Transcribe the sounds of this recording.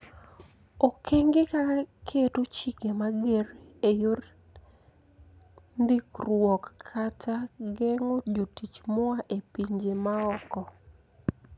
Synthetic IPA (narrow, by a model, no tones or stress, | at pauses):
okʰeŋɡekakʰetot͡ʃikemaɡerejor | nd̪ikrwɔkʰːatʰaɡɛŋod͡ʒotit͡ʃmɔaʔepiɲd͡ʒemaɔkɔ